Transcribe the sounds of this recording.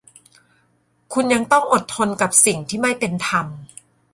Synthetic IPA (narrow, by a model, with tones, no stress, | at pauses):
kʰu˧nja˧ŋt̪ɔ˥˩ŋʔo˨˩t̪ʰːo˧nka˨˩p̚si˨˩ŋt̪ʰiː˥˩ma˥˩jpe˧nt̪ʰa˧m